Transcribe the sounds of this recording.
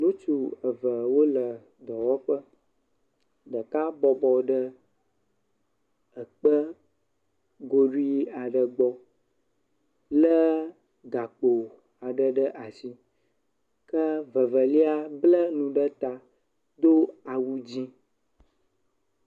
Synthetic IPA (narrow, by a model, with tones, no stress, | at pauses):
nũ˦t͡ʃu˨ə˨və˨wo˦lə˨ | d̪ɔ˨wɔ˦ɸə˦ | ɖə˨ka˦bɔ˨bɔ˨ɖə˦ | ə˨k͡pə˦ | ɡo˦ɖu˦i˦a˨ɖə˨ɡ͡bɔ˦ | lə˦ | ɡa˨k͡po˨ | a˨ɖə˨ɖə˦ʔa˨si˨ | kə˦və˨və˨li˦a˦blə˦nũ˨ɖə˦t̪a˨ | d̪o˦a˨wu˦d͡ʑi˦